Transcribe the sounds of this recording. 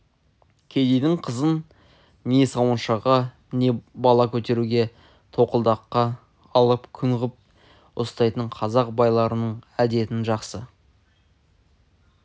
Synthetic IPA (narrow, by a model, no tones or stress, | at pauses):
kʲʰe̞d̪ejd̪ɪŋqʰəzən | nesɑwənʃɑʁɑ | ne̞bɑlˠɑkʲʰɵt̪e̞ɾuɡʲe̞ | t̪ʰo̞qəlˠd̪ɑqːɑː | lˠəpkʲʰʏɴʁəp̚ | ʊ̰st̪ɑjt̪əɴqʰɑzɑqbɑjlˠɑɾənəɴæd̪e̞t̪ɪnʒɑqsə